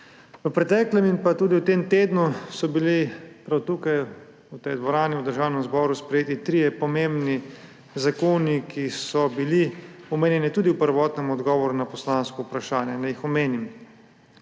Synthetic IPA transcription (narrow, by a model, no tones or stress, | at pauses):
ʋəpɾɛt̪ɛːklɛminpat̪uːd̪iwt̪eːmt̪eːd̪nusɔbilipɾawt̪uːkaj | ut̪ɛjd̪ʋɔɾaːniwd̪əɾʒaːwnɛmzbɔːɾuspɾɛjeːt̪it̪ɾijɛpɔmembni | zakoːnikʰisɔbiliɔmeːnjɛnit̪uːd̪iwpəɾʋɔːt̪nɛmɔd̪ɡɔːʋɔɾunapɔslaːnskɔupɾaʃaːnjɛnɛjixɔmeːnim